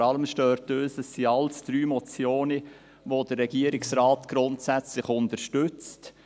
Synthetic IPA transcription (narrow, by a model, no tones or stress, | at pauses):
ɑləmʃtøːɾtøːsəsːiɑlsd̥ɾyːmɔt͡sjoːnə | ʋodəɾːɛɡ̥iəɾɪksɾɑːtɡ̥ɾʊntsæt͡slɪχʊntəɾʃtʏt͡st